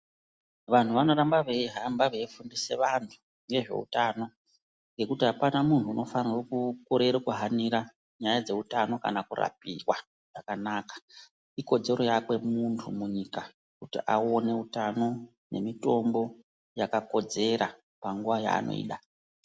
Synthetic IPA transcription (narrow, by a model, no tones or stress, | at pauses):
ʋan̤uʋano̞ɾambaʋeiɦambaʋeifundise̞ʋantʰu̥ | ŋe̞ʐe̞̰ṵtano̞ | ŋɡe̞kutiɦapanamuntʰuːno̞farirokukoɾe̞ɾokuɦaniɾa | ɲajad͡ze̞utano̞ka̰nakura̰p̚iwa | ʐ̥akanaːkḁ | iko̞d͡ze̞ɾo̞jakwe̞muntʰumuɲika | kutiʔao̞ne̞utano̞ | ne̞̰mito̞mbo̞ | jakako̞d͡ze̞ɾa | paŋɡuʋaja̰ːno̞̰ḭːɗa